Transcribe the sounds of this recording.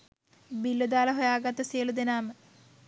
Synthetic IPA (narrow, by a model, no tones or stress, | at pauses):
bilːud̪aːlɐɦojaːɡat̪ːəsijəlud̪enaːmə